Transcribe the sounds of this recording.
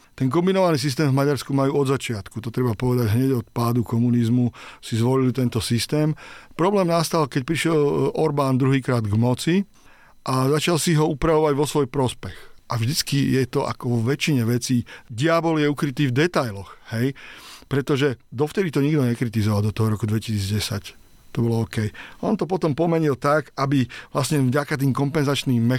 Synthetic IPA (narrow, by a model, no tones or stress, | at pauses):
t̪ɛŋk̬ɔmbinɔʋaniːs̬is̬t̪ɛːmvmaɟaɾskumajuːɔd̪zat͡ʃɪat̪kut̪ɔt̪ɾɛbapɔʋɛd̪aɟɦɲɛɟɔt̪paːd̪ukɔmunizmusizʋɔlilt̪ɛnt̪ɔsist̪ɛːmpɾɔblɛːmnast̪alkɛc̚pɾiʃɪɛlɔɾbaːnd̪ɾuɦiːkɾaːd̪ɡmɔt͡si | ʔazat͡ʃalsiɦɔupɾaʋɔʋaɟʋɔsʋɔjpɾɔspɛxʔavʒd̪it͡skijɛt̪ɔʔa̰kɔʋɔʋɛt͡ʃiɲɛʋɛt͡siːdiabɔljɛukɾit̪iːvd̪ɛt̪ajlɔxhɛjpɾɛt̪ɔʒɛd̪ɔft̪ɛd̪it̪ɔɲiɡd̪ɔɲɛkɾit̪izɔʋald̪ɔt̪ɔɦɔɾɔkud̪ʋɛci̥siːd͡zɟɛsac | t̪ɔbɔlɔɔːkɛjʔɔ̰nt̪ɔpɔt̪ɔmpɔmɛɲilt̪akabiʋlasɲɛvɟakat̪̬iːmkɔmpɛnzat͡ʃniːmːɛ